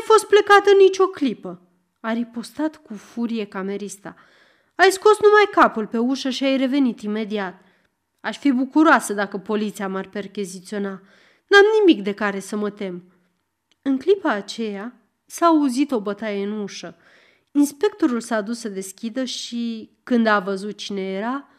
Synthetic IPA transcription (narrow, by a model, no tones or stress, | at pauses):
ajfo̞st̪̚plekat̪ənit͡ʃʲo̞klipə | aɾipo̞st̪at̪kufuɾije̞kame̞ɾist̪a̰ | ajsko̞snumajkapulpe̞uʃəʃiajre̞ve̞nit̪ime̞d̪iat̪̚ | aʃfibukuɾoasəd̪akəpo̞lit̪sijamarpe̞rkʲizit̪sio̞na | namnimikd̪e̞kaɾe̞səmət̪e̞m | ɨŋklipaːt͡ʃe̞ja | saːuzit̪o̞bət̪ajeɨnuʃə | inspe̞k̚t̪o̞ɾulsaːd̪usːəd̪e̞skʲid̪əʃikɨnd̪avəzut̪̚t͡ʃine̞jeɾa